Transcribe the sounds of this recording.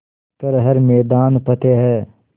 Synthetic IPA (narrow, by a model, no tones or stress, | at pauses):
kəɾɦɐɾmɛːd̪aːnpɐt̪eɦɛː